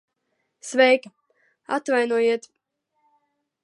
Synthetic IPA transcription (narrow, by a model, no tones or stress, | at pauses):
svɛjka | a̰t̪vajnuɔjiɛt̪